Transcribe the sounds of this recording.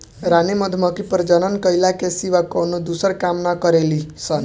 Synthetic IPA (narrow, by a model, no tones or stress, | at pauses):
ɾanemʌd̪ʱmʌkipəɾd͡ʒʌnənkʌjlakesiʋakɔnod̪usəɾkamnakʌɾelisʌn